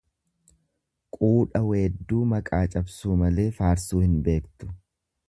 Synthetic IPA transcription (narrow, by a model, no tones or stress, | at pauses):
kʼuːᶑɐweːd̪ːuːmɐkʼaːt͡ʃʼɐbsuːmɐle̞ːfaːɾsuːhɪnbe̞ːkt̪ʊ̥